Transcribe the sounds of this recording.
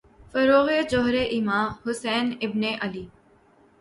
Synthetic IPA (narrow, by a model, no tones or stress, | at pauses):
fəɾoːɣeːd͡ʒoːɦɾeːʔɪmãːhʊsɛːnɪbneːʔəliː